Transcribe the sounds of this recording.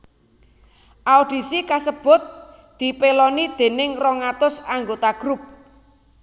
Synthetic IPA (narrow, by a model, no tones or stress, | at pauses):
ʔaoɖ̥i̤sikasəb̥ʊ̤t̪̚ | d̪̥i̤pelɔnid̪̥e̤nɪŋrɔŋat̪ʊsaŋɡot̪aɡ̥ɾup̚